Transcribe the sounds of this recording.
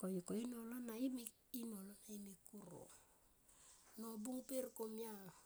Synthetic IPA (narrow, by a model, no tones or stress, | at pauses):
kojkoinolonaimi | inolonaimikuɾo̰ | nobuŋpeɾkomja